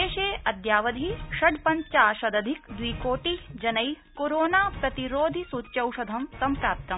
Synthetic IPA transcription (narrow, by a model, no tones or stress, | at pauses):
eːʃeːɐd̪jaːʋɐd̪ʱiʃɐɖpɐ̃ɲt͡ʃaːʃɐd̪ɐd̪ʱikd̪ʋiːkoːʈid͡ʒɐnɐj | koɾoːnaːpɾɐt̪iɾoːd̪ʱisuːtːʃɐwʃɐd̪ʱɐmsɐmpɾaːp̚t̪ɐm